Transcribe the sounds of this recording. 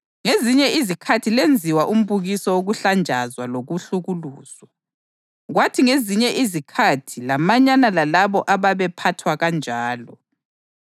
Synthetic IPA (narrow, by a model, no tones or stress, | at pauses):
ŋeziɲɛʔizikʰatʰilend͡zʱiwaʔum̩βuɣisɔwoɣuɬand͡ʒʱazwaloɣuɬuɣuluːz̥wa | ɣwatʰiŋeziɲɛʔizikʰatʰilamaɲanalalaβɔʔaβaβɛpʰatʰwaɣand͡ʒʱaːlɔ